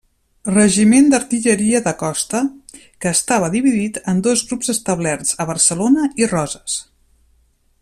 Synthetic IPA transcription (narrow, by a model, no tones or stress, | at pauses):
rəʒimend̪əɾt̪iʎəɾiəðəkɔst̪ə | kəːst̪aβəðiβiðit̪ənd̪ozɣɾupzəst̪əβ̞lɛɾzəβəɾsəlonəirɔzəs